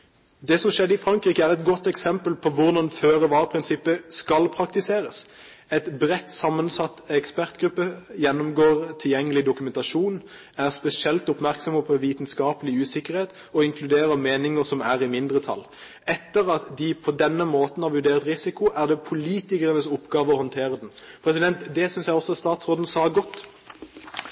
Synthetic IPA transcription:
d̪ɛsɔmʃɛd̪əɪfɾɑŋkɾiːkəæʁɛt̪ɡɔt̪ːɛksɛmpəlpʰɔʋʊɾd̪ɑnføːʁəʋɑːʁpʰʁɪnsɪpːəskɑlpʰɾɑkt̪ɪseːɾəs | ɛt̪bɾɛt̪ːsɑmːənsɑt̪ːɛkspæʁt̪ɡɾʉpːəjɛnːʊmɡoːʁt̪ʰɪljɛŋːəlɪd̪ʊkʉmɛnt̪ɑʃuːn | æʁspɛsɪɛlt̪ʊpmæɾksɔmɔpɔʋiːt̪nskɑːpəlɪʉːsɪkːəɾheːt̪ | ɔɪŋkʰlʉd̪eːɾəɾmeːnɪŋəɾsɔmæʁɪmɪnd̪ɾət̪ʰɑ̰l | ɛt̪ːəɾɑt̪d̪ɪpʰɔd̪ɛnːəmoːt̪n̩hɑɾʋʉɖeːʁt̪ʁɪsɪkʊʔæʁd̪ɛpʰʊliːt̪ɪkəʁənəsɔpːɡɑːʋəɔhɔnt̪ʰeːɾəd̪ɛn̩pʰɾɛsɪd̪ɛnt̪d̪ɛsʏnsjæɪɔsːɔst̪ɑːt̪sʁoːd̪n̩sɑːɡɔt̪ː

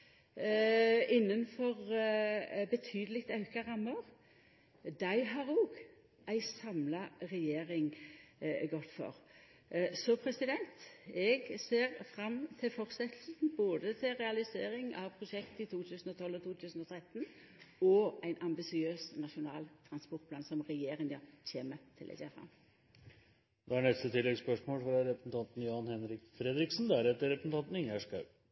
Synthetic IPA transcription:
ɪnːənfɔʁ | bət̪ʰyːd̪əlɪkt̪ɑʉkɑʁɑmːəʁ | d̪æɪɦɑʁoːɡ | ʔæɪsɑmlɑʁɛjeːʁɪŋ | ɡɔt̪fɔ̰ʁ | sɔpʰɾɛsɪd̪ɛnt̪ɛɡseːʁfɾɑmːt̪ʰɪfɔʁsɛt̪ʰl̩snboːd̪ət̪ʰɪɾɛɑlɪseːɾɪŋɑʋpʰʁʊʂɛkt̪əɪt̪ʰuːt̪ʰʉːsn̩ɔt̪ʰɔlːɔt̪ʰuːt̪ʰʉːsn̩ɔt̪ʰɾɛt̪ːn | ɔæɪnʔɑmbɪsɪøːsnɑʂʊnɑ̰ːlt̪ʰɾɑnspɔɾt̪̚pʰlɑːnsɔmʁɛjeːɾɪŋɑçeːmət̪ʰɪlʔɛ̰sḛːfɾɑ̰m | d̪ɛæɳɛst̪ət̪ʰɪlːɛɡspœʂmoːlfɾɑɾɛpɾsn̩t̪ʰɑnt̪n̩jɑːnhɛnɾɪkfɾɛd̪ɾɪksnd̪ææɾɛt̪ːəɾɛpɾəsn̩ɑnt̪n̩ɪŋːæʂkɑʉ

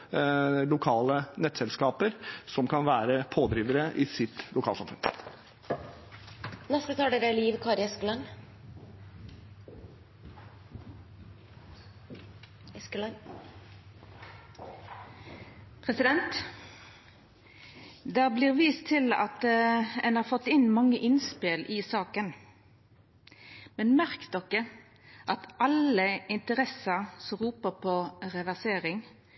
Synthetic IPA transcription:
lʊkʰɑːlənɛt̪ːsɛlskɑːpəɾsɔmkʰɑnʋæːɾəpʰoːd̪ɾiːʋəɾəʔɪsɪt̪lʊkʰɑːlsɑmfœɾ | nɛst̪ət̪ʰɑːɖeɾæliːʋkʰɑːɾɛsklɑn | skln | pʰʁɛsɪd̪ɛnt̪ | d̪ɛæːbliːʁʋiːst̪ʰɪlɑ̰t̪ɛnhɑːʁfɔt̪ːɪnmɑŋəʔɪnspɪlʔɪsɑːkən | mɛnmæʁkd̪ɔkə | ʔɑt̪ʔɑləɪnt̪əʁɛsəsɔmʁuːpəʁpʰoːʁɛʋæʁseːʁɪŋ

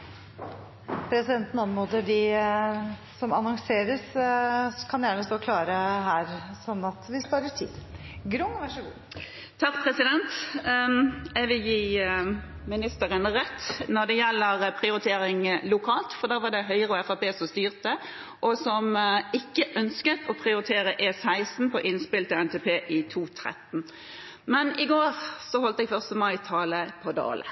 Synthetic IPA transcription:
pʰɾɛsɪd̪ɛnt̪nɑnmoːd̪əɖɪ | sɔmɑnɔŋseːɾəs | kʰɑnjæːɳəsd̪oːkʰlɑːɾəɦæːɾsɔnːɑt̪ʋɪspɑːɾəʈʰḭːd̪ | ɡɾʊŋːʋɑʂəɡṵː | t̪ʰɑkpʰʁɛsɪd̪ɛnt̪ | ɛʋɪljiː | mɪnɪst̪əʁənəʁɛt̪ːnɔʁd̪ɛjɛlːəʁpʰʁɪʊɾɪt̪ʰeːɾɪŋlʊkʰɑːlt̪fɔʁd̪æːɾʋɑʁd̪ɛɦœʏʁəɔɛfɑpeːsɔmst̪yːʁt̪ə | ʔɔsɔmɪkːəʔœnskət̪ʰɔpʰʁɪʊɾɪt̪ʰeːʁəʔeːsæɪst̪n̩pʰɔʔɪnspɪlt̪əɛnt̪ʰɛːpʰeːʔɪt̪ʰuːt̪ʰʁɛ̰t̪n̩ | mɛnɪɡoːʁsɔhɔlt̪əɛɡfœʁst̪əmɑɪt̪ʰɑːləpʰɔd̪o̰ːlə̰

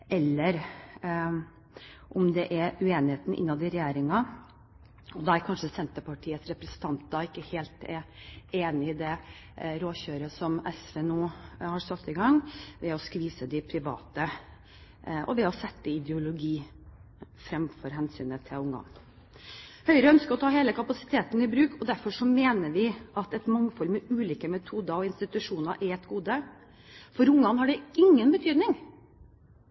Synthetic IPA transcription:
ɛlːəɾ | ʔʊmd̪ɛʔɛʉeːnɪheːt̪n̩ʔɪ̰nːɑd̪ɪɾɛjeːɾɪŋɑ | ɔd̪ɑæɾkʰɑnʂəsɛnt̪əpɑʈʰiːət̪sɾɛpɾɛsənt̪ʰɑnt̪d̪ɑɪkːəheːlt̪ɛɾeːnɪːd̪ɛ | ɾoːçøːɾəsɔmɛsʋeːnuːhɑɾsɑt̪ːɪɡɑŋʋɛɔskʋiːsəd̪ɪpʰɾɪʋɑ̰ːt̪ə | ʔɔ̰ʋɛɔsɛt̪ːəɪd̪ɛʊlʊɡiː | fɾɛmfɔɾɦɛnsy̰ːnət̪ʰɪlʊŋɑ̰n | hœʏɾəœnskəɾɔt̪ʰɑːheːləkʰɑpɑsɪ̥t̪ʰeːt̪n̩ɪbɾʉːkɔd̪æɾfɔʂɔmeːnəɾʋɪɑt̪ɛt̪mɑŋːfɔlməʉːliːkəmɛt̪ʰuːd̪ɑɔɪnst̪ɪt̪ʉʂuːnɑʔɛɛt̪ɡuːd̪ə | fɔɾʊŋːɑnhɑɖɛɪŋːənbət̪ʰyːd̪nɪŋ

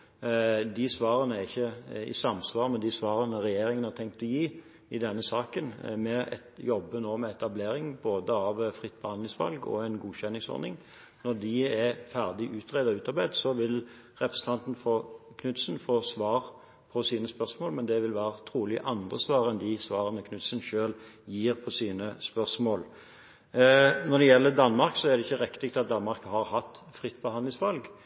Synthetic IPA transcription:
d̪ɪsʋɑːɾənəæɪçːəɪ̰sɑmsʋɑːʁmɛd̪ɪsʋɑːɾənəɾɛjeːɾɪŋənhɑt̪ʰɛŋk̚t̪ɔjiː | ɪd̪ɛnːəsɑːkənmɛɛ̰t̪jɔbːənoːmɛɛt̪ɑbleːɾɪŋboːd̪əɑʋfʁɪt̪̚ːbəhɑnd̪lɪŋsʋɑ̰lɡɔ̰ɛɪnɡuːçɛnːɪŋsɔ̰ɾnɪŋ | nɔɾd̪ɪɛfæʁd̪ɪʔʉːt̪ʁeːd̪ɔʉːt̪ɑɾbæɪd̪sɔʋɪl | ʁɛpɾʁəsən̩t̪ʰɑnt̪n̩foːkʰnʉt̪sənfoːsʋɑːʁ | pʰɔsiːnəspœʁsmoːlmɛnd̪ɛʋɪlʋæːɾət̪ʰɾuːlɪʔɑnd̪ʁəsʋɑːɾɛnd̪ɪsʋɑːʁənəkʰnʉt̪sənʃøːljiːʁpʰɔsiːnəspœʁsmoːl | nɔd̪ɛjɛlːəd̪ɑnmɑɾksɔæʁd̪ɛɪçːəɾɛkːt̪ɪk̚t̪ʰɑt̪̚d̪ɑnmɑɾkhɑɾhɑt̪ːfʁɪt̪ːbəhɑnd̪lɪŋsʋɑlɡ

